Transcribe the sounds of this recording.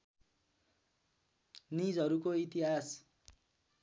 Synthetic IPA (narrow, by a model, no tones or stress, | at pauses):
nid͡zʌɾukoit̪iɦas